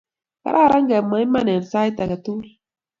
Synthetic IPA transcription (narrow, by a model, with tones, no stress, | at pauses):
ka̰˨ɾʔa˦˨ɾa˦ŋɡa˨mːa˨i˦ma˦nɛ˨n˨sa˦i˦t̪a˨ka˨tu˦l